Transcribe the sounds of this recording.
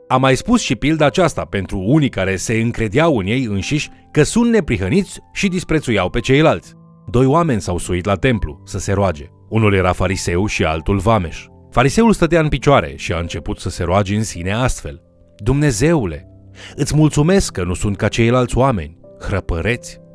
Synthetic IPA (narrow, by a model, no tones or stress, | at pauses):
amajspusʃipild̪aːt͡ʃast̪ape̞nt̪ɾuunikaɾe̞se̞ɨŋkɾe̞d̪ejawɨnje̞jɨnʃiʃʲ | kəsunt̪̚ne̞pɾiɦənit̪sʲʃid̪ispɾesujawpe̞t͡ʃe̞jlalt̪sʲ | d̪o̞joame̞nʲsawsuit̪lat̪e̞mplṵsəse̞ɾoad͡ʒe̞ | unulje̞ɾafaɾise̞wʃia̰lt̪ulvame̞̰ʃ | faɾise̞ulst̪ət̪eaɨnpit͡ʃoaɾe̞̰ʃia̰ɨnt͡ʃe̞put̪səse̞ɾoad͡ʒe̞ɨnsine̞ast̪fe̞̰l | d̪umne̞ze̞ule̞̰ | ɨt̪sʲmult̪sume̞skːənusunt̪̚kat͡ʃe̞jlalt̪sʲoame̞̰nʲhɾəpəɾe̞t̪sʲ